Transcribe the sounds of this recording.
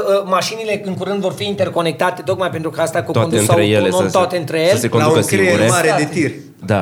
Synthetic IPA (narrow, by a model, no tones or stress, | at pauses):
əmaʃinile̞ɨŋkuɾɨnd̪vo̞rfiint̪erko̞ne̞k̚t̪at̪e̞t̪o̞kmajpent̪ɾukəast̪akut̪aond̪nsaɾejelenot̪oat̪eɨnt̪ɾejesəlse̞konakəskiɾeɡɡuɾemaɾed̪et̪ir | d̪a̰